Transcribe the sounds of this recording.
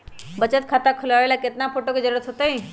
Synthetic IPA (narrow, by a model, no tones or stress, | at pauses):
bət͡ʃət̪̚kʰat̪akʰəlaʋeːlakɪt̪napʰoʈoked͡ʒəɾuɾət̪ɦot̪ai